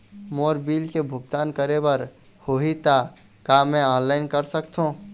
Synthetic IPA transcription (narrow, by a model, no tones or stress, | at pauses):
moːɾbiːlkebʱʊɡ̚t̪aːnkəɾebəɾ | hoɦit̪a | kamɛ̃ɔːnlaɪnkəɾsəkt̪ʰɦõ